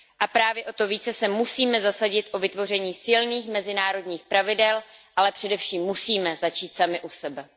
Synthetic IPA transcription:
ʔapɾaːvjɛʔo̞t̪o̞viːt͡sɛsɛmusiːmɛzasaɟɪt̪ʔo̞vɪt̪vo̞rɛɲiːsɪlniːxmɛzɪnaːɾo̞dɲiːxpɾavɪdɛlʔalɛpr̝̥ɛdɛfʃiːmːusiːmɛzat͡ʃiːt̪samɪʔusɛbɛ

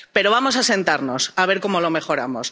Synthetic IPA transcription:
pe̞ɾo̞βamo̞sase̞nt̪aɾno̞saβe̞ɾko̞mo̞lo̞me̞xo̞ɾamos

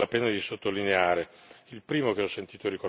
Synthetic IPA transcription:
apeːnad̪isot̪ːolineaːɾeilpɾiːmokeɔsːent̪iːt̪oɾiko

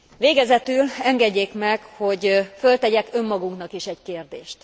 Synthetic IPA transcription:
ʋeːɡɛzɛt̪ylɛŋɡɛɟːeːkmɛkho̞ɟfø̞lt̪ɛɟɛkø̞mːɒɡuŋknɒkiʃɛɟkeːrd̪eːʃt̪

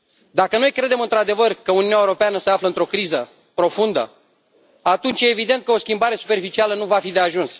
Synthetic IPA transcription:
d̪akəno̞jkɾe̞d̪e̞mɨnt̪ɾad̪e̞vərkəuniunjaewɾo̞peanəse̞afləɨnt̪ɾo̞kɾizə | pɾo̞fund̪ə̰ | at̪unt͡ʃjeːvid̪e̞nt̪̚kəo̞skʲimbaɾe̞su̥pe̞rfit͡ʃialənuvafid̪e̞aʒuns

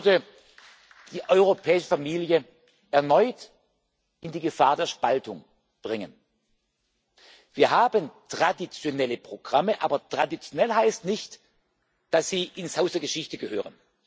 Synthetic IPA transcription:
də | d̥iːʔɔʏʁ̞opʰɛːɪʃə̥faɐmiːljə | ʔɛɐnɔʏt | ɪndiːɡəfaːɐdeːɐʃpaltʊŋ | b̥ʁɪŋən | viːɐɦaːbəntʁ̥adit͡sjonɛləpʁ̥oɡ̥ʁaməʔaːbɐtʁ̥adit͡sjonɛlɦaɪstnɪçt | d̥asz̥iːʔɪnshaʊsd̥eɐɡəʃɪçtəɡəhø̰ːʁ̞ən

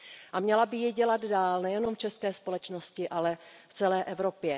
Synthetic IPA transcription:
ʔamɲɛlabɪjɪɟɛladdaːlnɛjɛnomft͡ʃɛskɛːspo̞lɛt͡ʃnoscɪʔalɛ | ft͡sɛlɛːʔɛvɾopjɛ

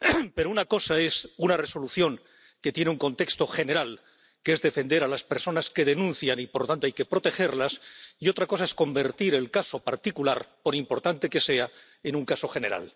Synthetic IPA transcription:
pe̞ɾounako̞sae̞sunare̞so̞luθjo̞ŋ | ke̞t̪je̞neuŋko̞nt̪e̞kst̪o̞χe̞neɾal | kee̞zðe̞fe̞nd̪e̞ɾalaspe̞ɾso̞naske̞ðe̞nũnθjanipoɾlot̪ant̪oajke̞pɾo̞t̪e̞xe̞ɾlasio̞t̪ɾako̞sae̞sko̞mbe̞ɾt̪iɾe̞lkaso̞paɾt̪ikulaɾpo̞ɾimpo̞ɾt̪ant̪e̞ke̞se̞a | enuŋkaso̞xe̞ne̞ɾa̰l

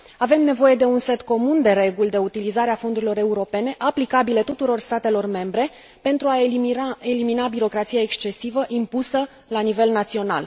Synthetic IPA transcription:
ave̞mne̞vo̞je̞d̪e̞unse̞t̪ko̞mund̪e̞ɾe̞ɡulʲd̪e̞ut̪ilizaɾeafo̞nd̪uɾilo̞ɾe̞uɾo̞pe̞ne̞ʔaplikabile̞t̪ut̪uɾo̞rst̪at̪e̞lo̞rme̞mbɾe̞ | pe̞nt̪ɾuae̞liminabiɾo̞kɾat̪sijaekst͡ʃe̞sivəʔimpusə | lanive̞lnat̪sio̞na̰l

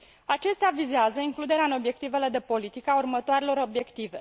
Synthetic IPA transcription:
at͡ʃe̞st̪eavizeazəiŋklud̪e̞ɾeaɨno̞bje̞k̚t̪ive̞le̞d̪e̞po̞lit̪ikəaurmət̪oaɾelo̞ɾo̞bje̞kt̪ive̞

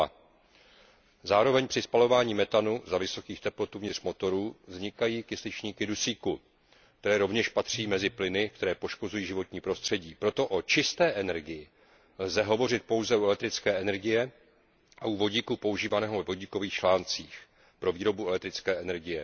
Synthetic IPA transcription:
zaːɾo̞vɛɲpr̝̥ɪspalo̞vaːɲiːmɛt̪anuzavɪso̞kiːxt̪ɛplo̞t̪uvɲɪr̥mo̞t̪o̞ɾuːvzɲɪkajiːkɪslɪt͡ʃɲiːkɪdusiːku | k̚t̪ɛɾɛːɾo̞vɲɛʃpat̪r̥iːmɛzɪplɪnɪk̚t̪ɛɾɛːpo̞ʃko̞zujiːʒɪvo̞t̪ɲiːpɾo̞st̪r̥ɛɟiːpɾo̞t̪o̞ʔo̞t͡ʃɪst̪ɛːʔɛnɛɾɡɪjɪ | lzɛɦo̞vo̞rɪt̪̚po̞wzɛuɛlɛk̚t̪ɾɪt͡skɛːʔɛnɛɾɡɪjɛ | ʔaʔuvo̞ɟiːkupo̞uʒiːvanɛːɦovɛvo̞ɟiːko̞viːxt͡ʃlaːnt͡siːx | pɾo̞viːɾo̞buɛlɛk̚t̪ɾɪt͡skɛːʔɛnɛɾɡɪjɛ

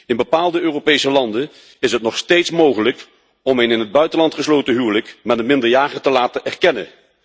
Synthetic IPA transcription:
ɪnbəpaːlˠdəøːropejsəlɑndən | ɪsɦətnɔχstejtsmowχələk | ɔmenɪnɦəd̚bœɥtənlɑntχəslowtəɦyːləkmɛtənmɪndəɹjaːχətəlaːtəʔɛrkɛnə̰

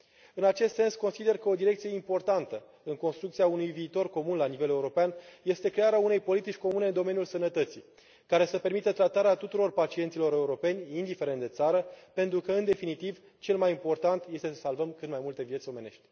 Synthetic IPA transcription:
ɨnat͡ʃe̞st̪se̞nsko̞nsid̪e̞rkəo̞d̪iɾe̞k̚t̪sije̞impo̞rt̪ant̪ə | ɨŋko̞nst̪ɾukt̪siaunujviːt̪o̞rko̞munlanive̞le̞uɾo̞peanje̞st̪e̞kɾe̞aɾeaune̞jpo̞lit̪it͡ʃʲko̞mune̞ɨnd̪o̞me̞njulsənət̪ət̪si | kaɾe̞səpe̞rmit̪ət̪ɾat̪aɾeat̪ut̪uɾo̞rpat͡ʃient̪silo̞ɾe̞uɾo̞pe̞nʲind̪ife̞ɾent̪d̪e̞t̪saɾəpent̪ɾukəɨnd̪e̞finit̪iv | t͡ʃe̞lmajimpo̞rt̪ant̪je̞st̪e̞səsalvəmkɨnd̪majmult̪e̞vijet̪sʲo̞mene̞̰ʃt̪ʲ

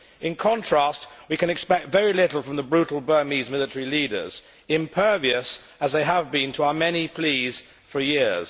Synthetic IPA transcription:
ɪ̃nkʰɑ̃ntʰɹ̥æstwikɨ̃nɨkspɛk̚tvɛɹilɪɾl̩ˠfɹə̃mðəbɹʉtl̩ˠbɜ˞mizmɪlətəɹiliːɾə̰˞z̥ | ɪ̃mpʰɜ˞viəs | əzðeɪəvbĩntʰəaʊəmɛnipʰl̥iːz̥ | fə˞jɪɹz̥

